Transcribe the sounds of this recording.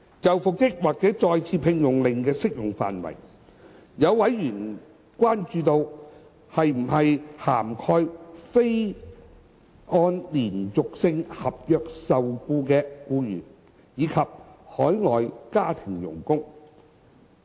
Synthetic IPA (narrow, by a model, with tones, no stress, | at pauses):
t͡sɐ˨wfʊ˨k̚tɪ˥k̚waː˨˩k̚t͡sɛː˨˥t͡sɔː˧jt͡sʰiː˧˥pʰɪ˧ŋjʊ˨˩ŋlɪ˨ŋkɛː˧sɪ˥k̚jʊ˨˩ŋfa̰ː˨nwɐ̰˨˩j | jɐ˨˧wwɐ˨˥jːyː˨˩n | kʷaː˥nt͡ʃyː˧t̪o˧w | hɐ˨jm̩˨˩hɐ˨jhaː˨˩mkʰɔː˧jfe˥j | ʔɔː˧nliː˨˩nt͡sʊ˨k̚sɪ˧ŋhɐ˨p̚jœː˨˧k̚sɐ˨wkuː˧kɛː˧kuː˧jyː˨˩n | jiː˨˧˥kʰɐ˨p̚hɔː˨˥jŋɔː˨jkaː˥t̪ʰɪ˨˩ŋjʊ̰˨˩ŋkʊ˥ŋ